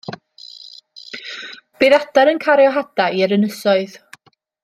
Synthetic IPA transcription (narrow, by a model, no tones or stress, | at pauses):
b̥eːðadaɾənkʰaɾjɔɦadaiəɾənəsɔɨð